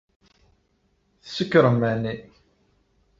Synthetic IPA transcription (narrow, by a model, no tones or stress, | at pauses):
θəsəkːɾəmːæni